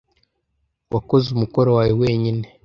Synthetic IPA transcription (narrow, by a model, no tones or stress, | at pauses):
wʔako̞zumuko̞ɾowaːjewe̞ːɲine